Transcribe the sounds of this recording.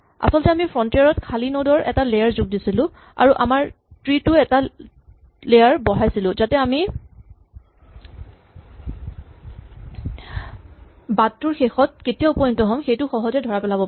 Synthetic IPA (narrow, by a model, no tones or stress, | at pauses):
a̰sɔlɔtɛamifʰɹɔntiaɹɔtkʰalinodɔɹʔɛ̰talejaɹzʊɡ̚disilʊ̃ | a̰ɹuʔa̰maɹ | tɹitʊɛta | lejaɹbɔɦajsilʊ̃zatɛami | batːuɹxexɔt̚ketijaʊpɔjuntɔɦɔmxejtʊxɔɦɔzɛdʱɔɹapɛlabɔ